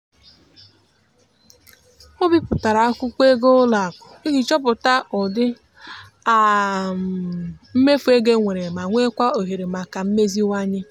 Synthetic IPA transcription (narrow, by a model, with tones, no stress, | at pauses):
o˦bi˦pʊ˨ta˨ɾa˨a˦kʷʊ˦kʷe˦ɡo˦la˨a˨kʷʊ˨i˦ɣi˨t͡ʃɔ˦p̬ʊ˨ta˦ɔ˨dɪ˦ | a˨ | m̩˦me˦fu˦e˦ɡe˦ŋʷe˨ɾe˨ma˨ŋʷe˦kʷa˦o˨ɦe˨ɾe˨ma˨ka˨m̩˦me˦zi˦wa˦ɲɪ˦